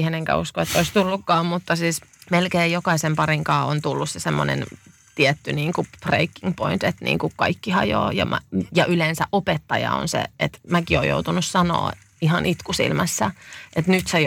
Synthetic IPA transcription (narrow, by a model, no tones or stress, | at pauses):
heneŋkæ̰uskoet̪ːoist̪ulːukːɑːmmut̪ːɑsiːsmelkeːjjokɑisempɑriŋkɑːont̪ulːussesemːonḛn | t̪iɛt̪ːyniːŋkub̥rḛikːiŋɡpoint̪et̪nḭːŋkukkɑikːihɑjo̰ːjɑ̰mæjɑʔylensæʔopet̪ːɑjɑ̰o̰nsḛet̪mækio̰ːjo̰ut̪unussɑno̰ː | ihɑnʔit̪kusḭlmæsːæʔet̪nyt̪se